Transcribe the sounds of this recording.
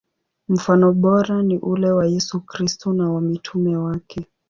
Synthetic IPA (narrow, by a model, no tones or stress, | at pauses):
m̩fanɔɓɔɾaniʔulɛwajɛsukɾistɔnawamitʰumɛwakʰɛ